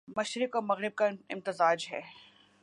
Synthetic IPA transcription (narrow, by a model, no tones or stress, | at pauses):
mɐʃɾɪkɔːmɐɣɾɪb̚kaɪ̰mt̪ɪzaːd͡ʒɦɛ̰ː